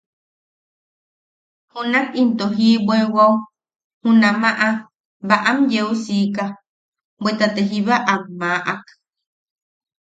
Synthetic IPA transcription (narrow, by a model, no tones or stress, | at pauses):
hũnakint̪oɦiːbʷewaw | hũnãmaʔa | baʔamjewsika | bwet̪at̪eɦiβaʔamːaʔak